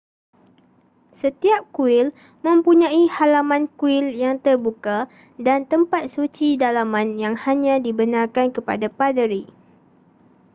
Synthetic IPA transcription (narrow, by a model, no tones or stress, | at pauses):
sət̪iap̚kuɪl | mə̃mpuɲãihalamãnkuɪljaŋt̪ərbuka | dant̪əmpat̪̚sut͡ʃidalamãnjaŋhaɲãdibənãrkankəpa̰dapadəɾi